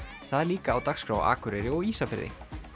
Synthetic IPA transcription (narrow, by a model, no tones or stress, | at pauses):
θaðliːkaːwt̪axskɾawa̰ːkʏɾɛɾɪɔɣiːsafɛɾðɪ̰